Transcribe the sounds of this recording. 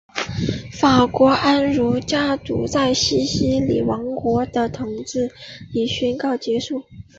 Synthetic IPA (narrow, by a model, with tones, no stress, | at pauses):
fa˨˩kwɔ˧˥ʔa˥nɻu˧˥t͡ɕja˥t̪ṵ˧˥t͡sa˥˩ɪɕi˥ɕi˥lḭ˨˩wɑ˧˥ŋkwɔ˧˥d̪ə˧t̪ʰʊ˧˥ŋt͡sɹ̩˥˩i˨˩ɕy˥nkɑ˥˩ʊt͡ɕjɛ˧˥ʂu˥˩